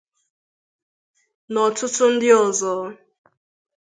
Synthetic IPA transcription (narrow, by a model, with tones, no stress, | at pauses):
nɔ˨tʰʊ˦tʰʊ˦n̩˦dɪ˦ɔ˨zɔ˨˦